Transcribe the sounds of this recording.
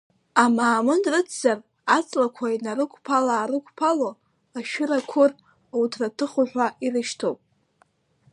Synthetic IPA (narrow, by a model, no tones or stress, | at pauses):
amaːmɨnrɨt͡sʰzar | at͡sʼlakʷʰainaɾɨkʷʰʼpʰalaːɾɨkʷʰʼpʰalo | aʃᶣʊɾakʷʰʊr | wtʰratʰɨχʊħᶣʷaʔirɨʃtʰopʼ